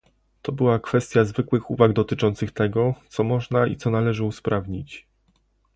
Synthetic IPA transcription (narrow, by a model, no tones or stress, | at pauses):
t̪ɔbɘwakfɛst̪ʲjazvɘkwɘxṵvaɡd̪ɔt̪ɘt͡ʂɔnt̪sɘxt̪ɛɡɔt̪sɔmɔʐnaḭt̪sɔnalɛʐɘuspɾʔavɲit͡ɕ